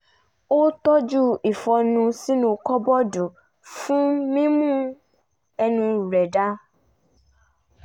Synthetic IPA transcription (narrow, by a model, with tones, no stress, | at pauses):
o˦t̪ɔ˦d͡ʒu˦i˨fɔ˧nũ˧si˦nũ˧kɔ˦bɔ˦du˨ | fũ˦mĩ˦mũ˦ | ɛ˧nũ˧u˨ɾɛ˨da˦